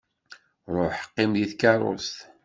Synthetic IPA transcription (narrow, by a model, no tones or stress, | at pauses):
ɾˤoħqːɪmðiθkɑɾˤo̰st̪